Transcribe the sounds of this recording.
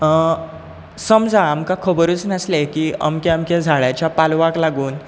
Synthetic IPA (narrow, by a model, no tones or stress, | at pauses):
səmd͡zãːmkakʰəbəɾut͡snəslekiːə̰mkeamked͡zʱaɭat͡ɕjapalʋaklaɡuːn